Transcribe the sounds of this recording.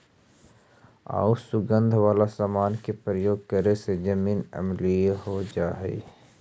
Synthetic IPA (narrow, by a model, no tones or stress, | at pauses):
a̰ːusʊɡə̃nd̪ʱʋaːlasaːmaːnkepɾəjoːɡ̚kəɾesed͡ʒəmiːnə̰mlieɦod͡ʒaːɦɛ̰ː